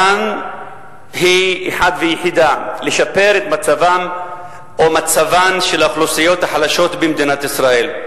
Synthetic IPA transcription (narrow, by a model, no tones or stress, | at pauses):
an | ɦiːħad̪vejeħid̪aleʃape̞ɾet̪mat͡savam | omat͡savanʃelaχlusijo̞t̪haħalaʃo̞t̪bemd̪inat̪isʁae̞l